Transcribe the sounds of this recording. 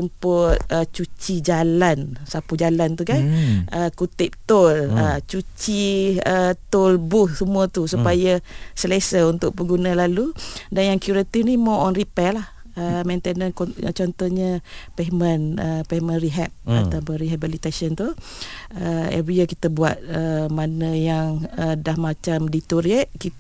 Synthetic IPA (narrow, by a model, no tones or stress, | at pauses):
umpʊt̪̚ət͡ʃut͡ʃid͡ʒalansapud͡ʒalant̪ukanʔəkut̪ɪp̚t̪olət͡ʃut͡ʃiət̪olbʊhsəmuət̪usupajəsəlesəunt̪ʊʔ̚bəɡunə̃laludanjaŋkjuɾat̪ifnimõʔɔnripɛlah | əmɛ̃nt̪enənkɔ̰t͡ʃɔnt̪ɔhɲəpɛmənəpɛmənriɦɛp̚a̰t̪apənɾiɦabilit̪asɔnt̪u | əḛɾiəkit̪əbuat̪̚əmanə̃jaŋədahmat͡ʃamdit̪uɾiəʔ̚ki